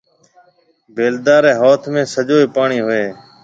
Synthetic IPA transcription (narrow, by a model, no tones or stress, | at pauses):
beːld̪aːɾeːɦoːt̪ʰmẽːsəd͡ʒoːiːpaːɳiːɦʊeː